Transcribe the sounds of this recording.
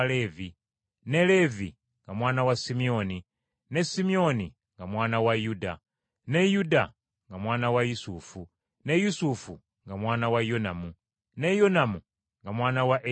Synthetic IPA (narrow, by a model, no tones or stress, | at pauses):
levi | ne̞le̞vi | ŋɡamwaːnawasimio̞ni | ne̞simio̞ni | ŋɡamwaːnawajuda | ne̞juda | ŋɡamwaːnawajusufu | ne̞jusufu | ŋɡamwaːnawajonamu | ne̞jonamu | ŋɡamwaːnawaʔe